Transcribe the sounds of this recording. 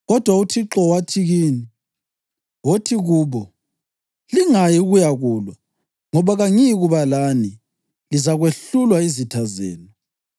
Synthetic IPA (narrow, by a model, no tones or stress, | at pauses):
ɣɔd̥ʱwautʰiǁɔwatʰiɣiːni | wotʰiɣuːβɔ | liŋajiɣujaɣuːlwa | ŋɔβaɣaŋiiɣuβalani | lizaɣweɬulwaizitʰazɛ̰ːnɔ